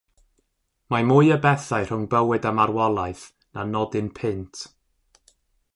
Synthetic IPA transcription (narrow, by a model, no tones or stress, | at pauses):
mamʊɨəbɛθaɨr̥ʊŋbəwɨdamarwɔlˠajθ | nanɔdɨnpʰɪntʰ